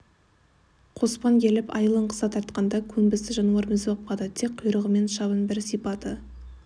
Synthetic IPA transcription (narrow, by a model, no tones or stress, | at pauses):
qʰo̞spɑnkʲʰe̞lɪpɑ̰jəlˠəɴqʰə̥sɑt̪ʰɑɾt̪qɑnd̪ɑkʲʰɵmbɪsɪʒɑnuɑɾmɪzbɑp̚qɑd̪ət̪ʰek̚qʰːʊjɾəʁəme̞nʃɑβənbɪɾsijpɑt̪ə